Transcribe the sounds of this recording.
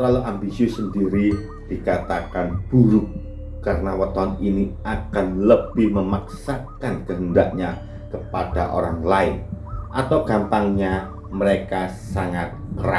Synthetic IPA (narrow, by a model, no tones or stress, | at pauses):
t̪əlaluʔambisiusəndiɾi | d̥ikat̪akanb̥uɾʊkː | aɾənawət̪oɦaniniakanləb̥ɪhməmaksakankəɦəndaʔɲa | kəpad̥a̰ʔo̰ɾa̰ŋlaɪnʔat̪awɡ̥ampaŋɲa | məɾekasaŋat̪̚əra